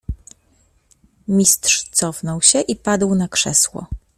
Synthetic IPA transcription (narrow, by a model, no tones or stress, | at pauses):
mʲist̪ʂt̪sɔfnɔwɕɛʔipad̪wnakʂɛ̰swɔ̰